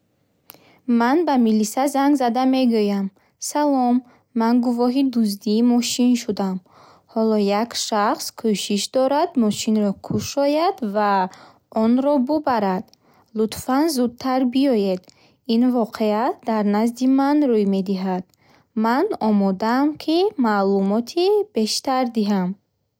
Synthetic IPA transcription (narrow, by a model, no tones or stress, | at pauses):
manbamilisazaŋɡzad̪ame̞ɡujam | salɔmː | anɡuvɔɦid̪uzd̪iːmɔʃinʃud̪am | hɔlɔjakʃaχskʰuʃiʃd̪ɔɾad̪mɔʃinɾɔkʰuʃɔjad̪va | ɔnɾɔbubaɾad̪ | lut̪fanzud̪̚t̪ʰaɾbiɔjed̪ | invɔqʰead̪aɾnazd̪imanrujme̞d̪iɦad̪̥ | manɔmɔd̪aːmkʰimalumɔt̪ʰibe̞ʃt̪aɾd̪iɦam